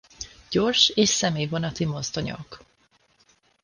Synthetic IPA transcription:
ɟ̥o̞rʃeːʃsɛmeːjvonɒt̪imozt̪oɲo̰k

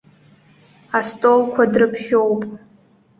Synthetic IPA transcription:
astʼolkʷʰadrɨpʰʃo̞wpʼ

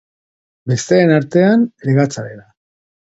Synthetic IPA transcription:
be̞st̪eːnaɾt̪e̞aneɾɣat͡saɾeða

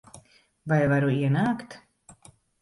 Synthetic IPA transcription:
vajvaɾuiɛnaːkt̪

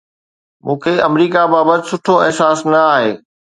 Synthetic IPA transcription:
mũːkʰeɐmɾiːkabaːbət̪ɪsʊʈʰoɛɦsaːsnɐaːɦeː

